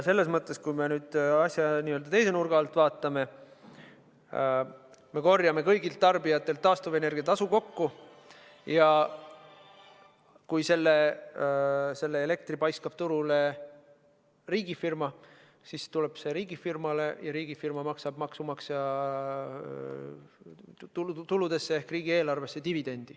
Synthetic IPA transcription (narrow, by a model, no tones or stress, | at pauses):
se̞lːe̞smɤt̪ˑːe̞skujme̞nyːd̪̥ɑsʲjɑniːøld̪̥ɑt̪e̞jse̞nurɡ̥ɑːlt̪ːˑvɑːt̪ˑːɑme̞ | me̞ko̞rjɑme̞kɤjɡilt̪ːɑrbijɑt̪ːˑe̞lt̪ːɑːst̪uve̞ne̞rɡ̥ijɑt̪ɑsuko̞kːu | jɑ | kujse̞lːe | se̞lːeele̞k̚t̪ripɑjskɑb̥̚t̪uɾule̞ | riːɡ̥ifirmɑ | sist̪ule̞b̥se̞ɾiːɡifirmɑle̞jɑɾiːɡ̥ifirmɑmɑksɑb̥mɑksumɑksɑ | t̪ut̪ulud̪̥e̞sːe̞ehkriːɡ̥ie̞ːlɑrve̞sːe̞t̪ivid̪̥e̞nʲd̪̥i